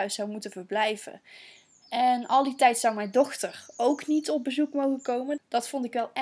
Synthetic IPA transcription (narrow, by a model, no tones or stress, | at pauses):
ɥssɑwmutəvəɹblɛjv̥ə̰ | ɛnɑlˠditɛjtsʌwmɛjndɔxtəɹowknitɔb̚bəzukmowχəkowməd̥ɑtfɔntɪkʋɛlˠɛ